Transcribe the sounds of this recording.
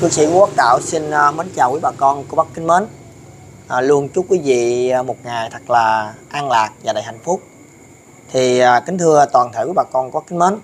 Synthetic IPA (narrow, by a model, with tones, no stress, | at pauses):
kɨ˨˧əsḭ˧˨ku˧˦waː˦˥k̚t̪a̰ː˧˨wsi˧n˧mə˨˦nt͡ɕaː˨˩wkwi˨˦ɓaː˨˩kɔ˧nku˧˩ə˦ɓa˦˥k̚ï˨˦ŋ̟məː˨˦n | ʔlu˧ənt͡ɕu˦˥p̚kwi˨˦vḭ˧˨mo˨˩t̚ŋa˨˩jt̪ʰə˨˩k̚laː˨˩ʔaː˧ŋlaː˨˩k̚vaː˨˩ɗaː˨˩jha̰˧˨jŋ̟fʊ˦˥k͡p̚ | t̪ʰiː˨˩˨kï˨˦ŋ̟t̪ʰɨ˧ət̪waː˨˩nʰḛː˧˩ki˨˦ɓaː˨˩kɔ˧nkɔ˧˨˦kï˨˦ŋ̟məː˨˦n